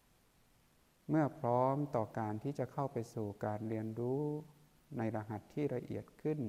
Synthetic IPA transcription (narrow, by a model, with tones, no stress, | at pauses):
mɯ˥˩ɐpʰɾɔː˦˥mt̪ɔː˨˩kaː˧nt̪ʰiː˥˩t͡ɕa˨˩kʰa˥˩wpa˧jsuː˨˩kaː˧nɾi˧ənɾuː˦˥ | na˧jɾa˧ɦa˨˩t̪ʰːiː˥˩ɾa˧ʔḭ˨˩ət̪̚kʰɯ˥˩n